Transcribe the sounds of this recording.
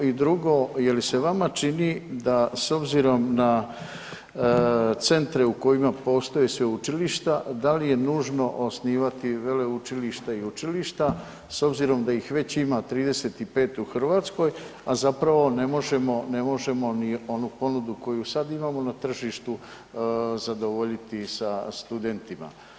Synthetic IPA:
id̪ɾuɡo̞ːje̞lise̞ʋamat͡ʃinid̪aso̞bziɾo̞mna | t̪se̞nt̪ɾe̞uko̞jimapo̞ːst̪o̞jesʋeut͡ʃiliʃt̪ad̪alije̞nuːʒno̞ʔosniːʋat̪iʋe̞le̞ut͡ʃiliʃt̪aiut͡ʃiliʃt̪a | so̞bziɾo̞md̪aixʋe̞t͡ɕimat̪ɾiːd̪e̞se̞t̪ipe̞ːt̪uxr̩ʋaːt̪sko̞jazapɾaʋo̞ne̞mo̞ʒe̞mo̞ne̞mo̞ʒe̞mo̞nio̞nupo̞nud̪uko̞jusad̪imaːmo̞nat̪r̩ʒiːʃt̪u | zad̪o̞ʋo̞ʎit̪isast̪ud̪e̞nt̪ima̰

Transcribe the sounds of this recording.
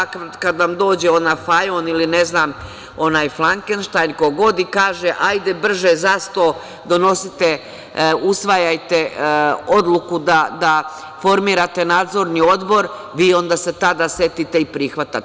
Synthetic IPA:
ak̪kad̪ʋamd̪o̞ːd͡ʑeo̞nafajonilineznaːm | o̞naːjflˠaŋkenʃt̪ajnko̞ɡo̞d̪ikaːʒeʔajd̪ebr̩ʒezast̪o̞ | d̪o̞no̞sit̪e | usʋajajt̪eo̞d̪lˠukud̪ad̪a | fo̞ɾmiːɾat̪e̞naːd̪zo̞ɾnio̞d̪bo̞ɾ | ʋiːo̞nd̪aːse̞t̪ad̪asje̞t̪it̪e̞ipɾixʋat̪a

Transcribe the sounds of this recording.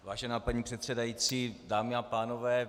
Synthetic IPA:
vaːʒɛnaːpaɲiːpr̥ɛt̪sɛdajit͡siːdaːmɪapaːnovɛː

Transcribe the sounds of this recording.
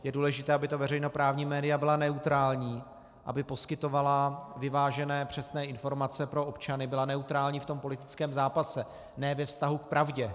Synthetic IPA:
jɛduːlɛʒɪt̪ɛːʔabɪt̪ovɛrɛjno̞pɾaːvɲiːmɛːdɪjabɪlanɛut̪ɾaːlɲiː | ʔa̰bɪpo̞skɪt̪o̞valavɪvaːʒɛnɛːpr̝̥ɛsnɛːɪnfo̞ɾmat͡sɛpɾo̞ʔo̞pt͡ʃanɪbɪlanɛut̪ɾaːlɲiːft̪o̞mpo̞lɪt̪ɪ̥t͡skɛːmzaːpasɛ | nɛːvɛfst̪aɦukpɾavɟɛ

